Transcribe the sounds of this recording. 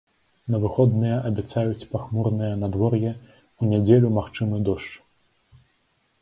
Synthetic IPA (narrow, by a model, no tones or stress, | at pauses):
nɐvɨxɔd̪nɨjɐʔɐbʲɛt̪sajut͡sʲpaxmurnɨjɐnad̪vɔrjɛ | unʲɛd͡zʲelʲumaxt͡ʂɨmɨd̪ɔʂt͡ʂ